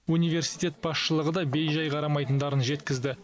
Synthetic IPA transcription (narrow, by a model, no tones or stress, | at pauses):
unijve̞ɾsijt̪ʲe̞t̪̚bɑsʃəlˠəʁəd̪ɑbe̞jʒɑjqʰɑɾɑmɑjt̪ənd̪ɑɾənʒe̞t̪kʲɪzd̪ɪ